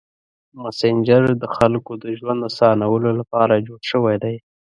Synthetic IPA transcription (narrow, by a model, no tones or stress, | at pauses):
masend͡ʒaɾd̪əxalkod̪əʒwand̪əsɑnawəlolapɑɾad͡ʒoɽʃəwajd̪aj